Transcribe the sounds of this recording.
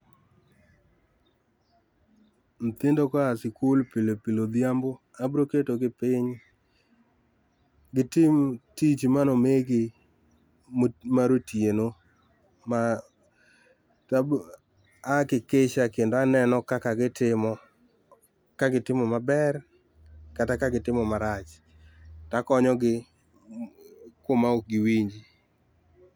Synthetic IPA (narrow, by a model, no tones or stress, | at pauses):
n̩t̪ɪndokaasɪkulpɪlpilod̪jambo | abɾoketoɡɪpɪɲ | ɡɪtɪmtit͡ʃmanɔmeɡɪ | maɾotjeno | ma | ta | akɪkeʃakendoanɛnɔkakaɡɪtɪmɔ | kaɡɪtɪmɔmabɛr | katakaɡɪtɪmɔmaɾat͡ʃ | takɔɲɔɡɪ | komaok̚ɡɪwiɲd͡ʒi